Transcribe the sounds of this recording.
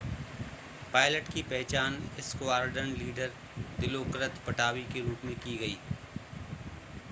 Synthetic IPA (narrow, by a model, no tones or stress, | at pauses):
paːɪləʈkipɛɦt͡ʃaːnɪskoaːɾɖənliːɖəɾ | d̪ɪlokɾət̪pɐʈaːwikeɾuːpmẽkiɡɐḭː